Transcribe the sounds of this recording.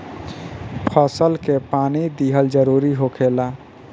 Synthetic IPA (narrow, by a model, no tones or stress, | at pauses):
pʰəsəlkepaːnid̪iːɦəld͡ʒəɾuːɾiɦokʰeːla